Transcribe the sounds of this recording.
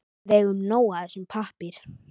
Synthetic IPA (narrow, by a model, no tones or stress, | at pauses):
ðɛɣʏmnoːwaðɛsʏmpʰahpɪɾ̥